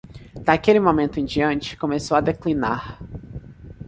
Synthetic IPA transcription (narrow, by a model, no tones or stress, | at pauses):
d̪akelɪmomẽnt̪ʊĩd͡ʒiɐ̃nt͡ʃɪ̥kõmesowad̪eklinaɾ